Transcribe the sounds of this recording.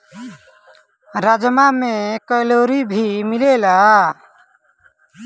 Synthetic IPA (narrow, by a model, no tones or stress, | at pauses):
ɾad͡ʒmamekəjloɾibʱimilela